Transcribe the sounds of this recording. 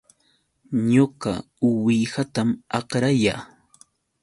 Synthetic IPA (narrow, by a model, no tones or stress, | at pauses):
ɲoɢɑ̰ | ʊwɪjɢat̪amɑqɾajaː